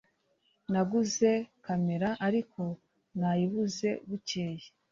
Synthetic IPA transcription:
naɡuze̞kame̞ɾaʔaɾiko̞ | najiβuze̞̰ɡuce̞ːje

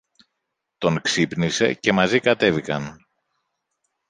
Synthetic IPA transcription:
t̪o̞ŋksipnise̞̰ce̞mɐzikɐt̪e̞vikɐn

